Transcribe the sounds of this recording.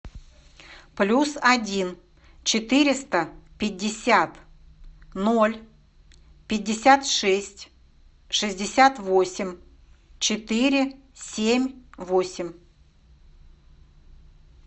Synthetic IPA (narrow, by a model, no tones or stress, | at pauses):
plʲusɐdʲin | t͡ɕɪt̪ɨɾʲɪst̪əpʲɪdʲːɪsʲat̪ | nolʲ | pʲɪdʲːɪsʲat̪ʂɛsʲtʲ | ʂɨzʲdʲɪsʲat̪vo̞sʲɪmʲ | t͡ɕɪt̪ɨɾʲɪ | sʲemʲvo̞sʲɪmʲ